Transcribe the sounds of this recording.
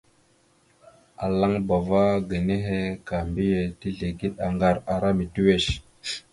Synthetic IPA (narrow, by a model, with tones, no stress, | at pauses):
a˨la˦ŋba˨va˦ɡa˨ne˦ɦe˦ka˨mbi˦je˨ti˦ɮe˨ɡi˦ɗa˨ŋɡa˦ɾa˨ɾa˦mi˨tu˦we˦˨ʃ